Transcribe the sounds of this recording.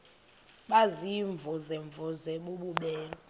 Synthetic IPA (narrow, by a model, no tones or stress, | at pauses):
ɓaziɱvʱɔzɛɱvʱɔzɛɓuɓuɓɛːlɔ